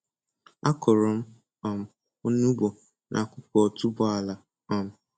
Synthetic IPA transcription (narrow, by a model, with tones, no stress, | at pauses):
a˦kʊ˨ɾɔ˨m̩˦ | ɔ˨m̩˨ | o˦nu˦bɔ˨ | nʔa̰˨kʷʊ˦pɔ˨tu˦bʊ˦a˨la˨ | ɔ˦m̩˦